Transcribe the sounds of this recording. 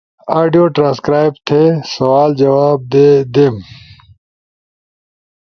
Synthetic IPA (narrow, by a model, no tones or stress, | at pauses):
aːɖijoːʈɾãːskɾaːjb̚t̪ʰesɐʋaːld͡ʒɐwaːb̚d̪eːd̪eːm